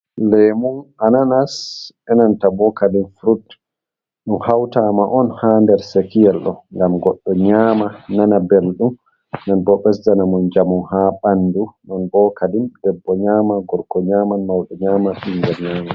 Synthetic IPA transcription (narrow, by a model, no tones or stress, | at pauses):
lɛmunananas | ɛnantabɔkalinfɾut | ɗumhawtamaʔɔnhandɛɾsekijɛlɗɔ̰ŋɡamɡɔɗːɔɲaːmananabelɗum | nɔnbɔɓɛsdanamund͡ʒamuhaɓandunɔnbɔkalindɛbːɔɲaːmaɡɔɾkɔɲaːmanmawɗɔɲaːmaɓinɡɛɾɲaːma